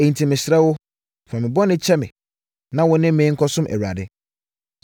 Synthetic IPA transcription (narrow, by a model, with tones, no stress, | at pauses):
e˨ɲ̩˨tʰi˨mɪ̃˨ɕɾɛ˦wʊ˦ | fa˨mɪ̃˨bɔ˦nɪ̃˦t͡ɕʰɛ˦mɪ̰̃˨ | nã˦wʊ̃˨nɪ̃˦mɪ̃˨˦ŋ̩˦kʰɔ˦sʊ̃˦mʔæ̰˨wu˨a̰˨dɪ˦